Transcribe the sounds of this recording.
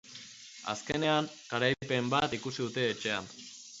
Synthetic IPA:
a̰skene̞aŋkaɾajpe̞mbat̪ikusiðut̪e̞ːt͡ʃe̞a̰n

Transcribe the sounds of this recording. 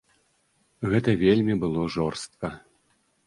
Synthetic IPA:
ɣɛt̪ɐvʲelʲmʲibɨlˠɔʐɔrst̪̚kɐ

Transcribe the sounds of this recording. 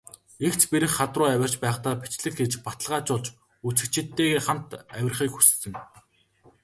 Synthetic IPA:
ekt͡ɕpeɾɘ̆xːat̪rʊːæwʲɪ̆r̥t͡ɕpæːχt̪aːpit͡ɕɮɘ̆kxet͡ɕpat̪ə̆ɮʁaːt͡ɕʊɮt͡ɕ | ut͡sɘ̆kt͡ɕɪ̆t̪ːeːɣeːχam̥t̪æwʲɪ̆rχiːkxu̥ssɘ̆ŋ

